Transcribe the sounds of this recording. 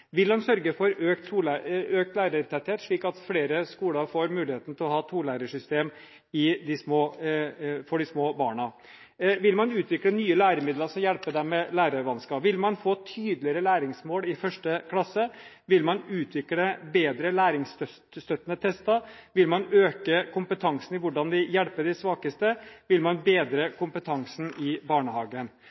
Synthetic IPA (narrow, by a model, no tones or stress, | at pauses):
ʋɪlmɑnsœɾɡəfɔɾøːk̚t̪suːløːk̚t̪læːɾəɾt̪ʰɛt̪heːt̪ʂɭiːkɑt̪fɽeːɾəskuːləɾfoːɾmʉːlɪheːt̪n̩t̪ʰɪlɔhɑːt̪ʰuːlæɾəʂʏst̪eːm | ɪd̪ɪsmoː | fɔɖɪsmoːbɑːɳɑ | ʋɪlmɑnʉːt̪ʋɪklənyːəlæːɾəmɪd̪ləsɔjælpəd̪ɛmɛlæːɾəɾʋɑnskɑpʋɪlmɑnfoːt̪ʰyːd̪lɪəɾəlæːɾɪŋsmoːlɪfœʂʈəkʰlɑsːə | ʋɪlmɑnʉːt̪ʰʋɪkləbeːd̪ɾəlæːɾɪŋst̪œt̪st̪œt̪ːənət̪ʰɛst̪ɑʋɪlmɑnøːkəkʰʊmpət̪ʰɑŋsən̩ɪʋʊɖɑnd̪ɪjɛɽpəɖɪsʋɑːkəst̪əʋɪlmɑnbeːd̪ɾəkʰʊmpət̪ʰɑŋsn̩ɪbɑːɳəhɑːɡən